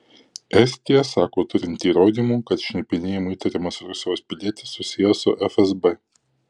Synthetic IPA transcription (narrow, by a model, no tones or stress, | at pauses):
ɛsʲt̪ʲɪjɛsɑːkoːt̪ʊɾʲɪnʲt̪ʲiːɾoːd̪ʲiːmuːkɐt̪ʃʲnʲɛpʲɪnʲeːjɪmʊiːt̪ɐɾʲɪmɐsɾʊsʲɪjoːspʲɪlʲiɛt̪ʲɪsːʊsʲɪjɛsʊ̰ʔɛfɛzbɛ